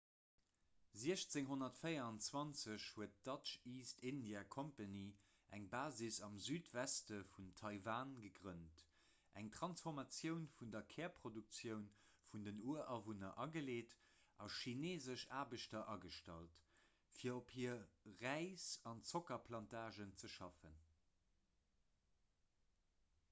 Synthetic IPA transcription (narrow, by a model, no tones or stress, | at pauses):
ziəɕt͡seŋɦonɐtfəɪɐɑnt͡swɑnt͡səɕhuət̚d̥ɑʃiːstʰindjaːkʰompani | ʔæŋbaːzisɑmzyːtvæstəfuntʰɑɪvaːnɡəɡʁənt | ʔæ̰ŋtʁɑnsfɔʁmɑt͡sjəʊnfundɐkʰɛːɐpʰʁoduk̚t͡sjəʊn | fundənuəʔɑvunɐʔɑɡəleːt | ʔɑʃineːzəʃaːbəʃtɐʔɑɡəʃtɑ̰lt | fiːɐophiːɐʁæɪsɑnt͡sokɐpʰlɑntaːʒənt͡səʃɑfən